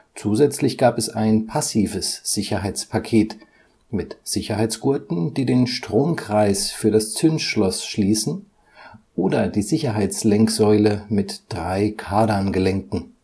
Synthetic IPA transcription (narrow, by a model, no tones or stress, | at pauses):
t͡suːzɛt͡slɪçɡ̥aːpɛsaɪnpʰasiːvəsz̥ɪçɐɦaɪt͡spʰakʰeːt | mɪtz̥ɪçɐɦaɪt͡sɡ̥ʊɐtn̩d̥iːdeːnʃtʁ̥oːmkʁ̥aɪsfyːɐɾast͡sʏnsʃlɔsʃliːsn̩ | ʔoːdɐdiːzɪçɐɦaɪt͡slɛŋkz̥ɔʏləmɪtd̥ʁaɪkʰaːdɐnɡəlɛŋkŋ̩